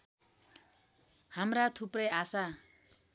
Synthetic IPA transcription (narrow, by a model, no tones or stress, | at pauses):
hamɾat̪ʰuprʌjasa